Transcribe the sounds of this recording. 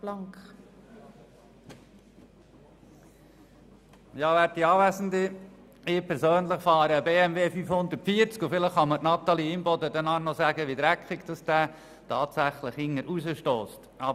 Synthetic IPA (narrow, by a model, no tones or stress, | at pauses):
b̥lɑŋkχ | jɑːʋæːɾt̚tiɑːʋæzəndə | ɪpʰɛɾsøːnləχfɑːɾəːbeːæmveːfyfhʊnd̪ərtfiːəɾt͡skufɪləχːɑmətnɑt̪ɑliɪmbɔd̪ədɛnɑnɔsæːɡəʋid̪ɾækʰχɪɡd̥ɑsd̥æː | tʰɑːtsæχləχɪŋːəɾʔuzəʃtoːst | ɑ